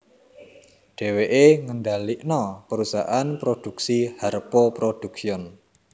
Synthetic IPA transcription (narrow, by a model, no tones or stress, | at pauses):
ɖ̥e̤weʔeŋənɖaliʔnɔpəɾusa̰ʔanpɾod̥uksiharpopɾod̥ṳksiɔn